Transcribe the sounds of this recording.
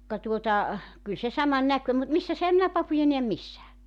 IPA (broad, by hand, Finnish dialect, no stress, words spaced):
kɑ tuotɑ kyl se sɑmɑn nækø mut misːæs ehæm minæ pɑpujɑ neæm misːæː